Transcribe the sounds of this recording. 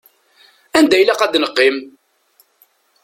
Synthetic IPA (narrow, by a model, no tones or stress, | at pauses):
ænd̪æjlæqæd̪nəqːim